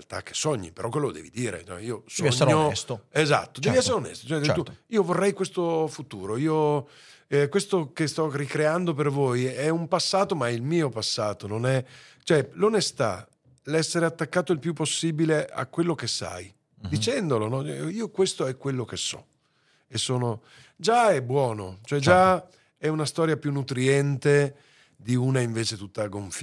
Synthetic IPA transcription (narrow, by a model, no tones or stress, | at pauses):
lt̪a̰k̟ːe̥sːɔɲːḭpeɾɔk̬ːwelod̪ɛ̰ːvid̪iːɾḛt͡ʃɔɛiːosɔɛɲːoɛst̪oeza̰t̪ːod̪ɛviɛsːeɾeonɛ̰st̪o̥t͡ʃoɛɛuiːovorːɛjkwest̪ofut̪uːɾoiːo | ɛkwest̪okest̪ɔrikɾeand̪opervojɛumpasːaːt̪omailmiːopasːaːt̪ononɛt͡ʃoɛlonest̪a̰ | lɛsːeɾeat̪ːakːaːt̪oilpjupːosːiːbileʔa̰kwelːokesːa̰j | d̪it͡ʃɛnd̪olonɔiːokwest̪oɛkːwelːokesːɔ̰ | esːoːno | d͡ʒaɛbwɔːnot͡ʃoɛd͡ʒa | ɛunast̪ɔːɾjapjunːut̪ɾiɛnt̪e | d̪iuːnaiɱveːt͡ʃet̪ut̪ːaɡoɱf